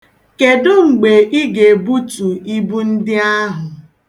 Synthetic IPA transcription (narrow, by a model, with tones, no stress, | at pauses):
ke˨dʊ˦ŋ͡m̩˨ɡ͡be˨ʔi˦ɡe˨bu˦tu˨i˦bu˦n̩˦dɪ˦a˦ɦʊ˨